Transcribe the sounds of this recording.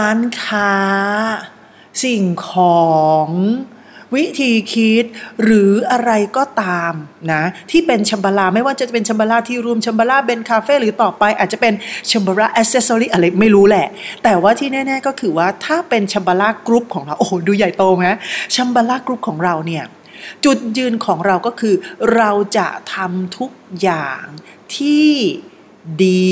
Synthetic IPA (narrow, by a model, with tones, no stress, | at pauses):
ʔaː˧˦˥nkʰaː˦˥ | si˨˩ŋkʰɔː˩˦ŋ | wi˦˥t̪ʰiː˧kʰi˦˥t̪̚ɾɯː˩˦ʔa˧ɾa˧jkɔː˥˩t̪aː˧mna˦˥t̪ʰiː˥˩pe˧nt͡ɕʰa˧mbaː˧laː˧˩ma˥˩jwaː˥˩t͡ɕa˨˩pe˧nt͡ɕʰa˧mbaː˧laː˥˩t̪ʰiː˥˩ɾu˧əmt͡ɕʰa˧mbaː˧laː˥˩be˧nkʰaː˧feː˥˩ɾɯː˩˦t̪ɔː˨˩pa˧jʔaː˨˩t̪̚t͡ɕa˨˩pe˧nt͡ɕʰa˧mbaː˧laː˥˩ʔɛ˦˥k̚se˦˥soː˧ɾiː˥˩ʔa˧ɾa˧jma˥˩jɾuː˦˥lɛ˧˩ʔt̪ɛː˨˩waː˥˩t̪ʰiː˥˩nɛː˥˩nɛː˥˩kɔː˥˩kʰɯː˧˦waː˥˩t̪ʰaː˥˩pe˧nt͡ɕʰa˧mbaː˧laː˥˩kɾu˦˥p̚kʰɔː˩˦ŋɾa˧wʔoː˨˩duː˧ja˨˩jt̪oː˧ŋa˦˥t͡ɕʰa˧mbaː˧laː˥˩kɾu˦˥p̚kʰɔː˩˦ŋɾa˧wni˥˩ɐ | t͡ɕu˨˩t̪̚jɯː˧nkʰɔː˩˦ŋɾa˧wkɔː˥˩kʰɯː˧ɾa˧wt͡ɕa̰˨˩ʔt̪ʰa˧mt̪ʰu˦˥k̚jaː˨˩ŋ | t̪ʰiː˥˩ | diː˧